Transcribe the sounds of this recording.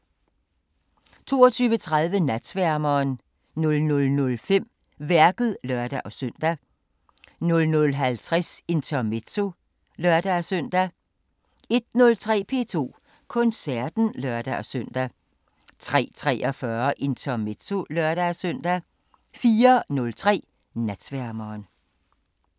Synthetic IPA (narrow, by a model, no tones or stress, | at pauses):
t͡sʰo̝̰ːɒt͡sʰyːʋət͡sʰʁaðˠʋənæd̥sʋæɐmɐːn | nɔ̽lnɔ̽lnɔ̽lfem̰ | ʋæɐɡ̥ð̩ˠlœɐd̥æʔɒ̽søn̰d̥æ | nɔ̽lnɔ̽lɦælt͡sʰʁaɛse̝nt͡sʰɒmet͡sʰo̝ | lɶɐd̥æsœn̰d̥æ | e̝d̥̚nɔ̽lt͡sʰʁɛ̰ːpʰe̝̰ːt͡sʰo̝̰ː | kʰɔ̽nsæɐd̥n̩lœɐd̥æʔɒ̽sœn̰d̥æ | t͡sʰʁɛ̰ːt͡sʰʁɛ̰ːʔɒfɶːɐʔe̝nt͡sʰɐmet͡sʰo̝lœɐɾ̥æsœn̰d̥æ | fiːɐnɔ̽lt͡sʰʁɛ̰ː | næd̥sʋæɐmɐːn